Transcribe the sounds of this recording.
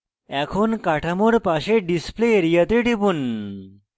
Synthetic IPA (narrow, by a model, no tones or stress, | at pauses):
ɛkʰonkaʈʰamoɽpaɕeɖispleɾijat̪eʈipuːn